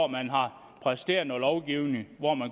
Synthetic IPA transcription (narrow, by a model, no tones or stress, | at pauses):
ɒmænɦɑ̈ | pʰʁɛsd̥e̝̰ɐnɒlɒʊɡ̥iʊneŋʋɒmæn